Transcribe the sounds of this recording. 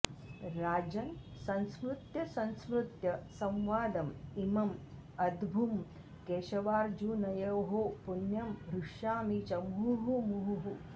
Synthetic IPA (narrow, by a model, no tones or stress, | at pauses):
ɾaːd͡ʑɐnsɐ̃ñsmɾut̪jɐsɐ̃nsmɾut̪jɐsɐ̃mʋaːd̪ɐmimɐm | ɐd̪bʱum | keːɕɐʋaːɾd͡ʒuːnɐjɐwɦoːpunjɐmbɾuʂjaːmit͡ʃɐmuɦumuɦuɦu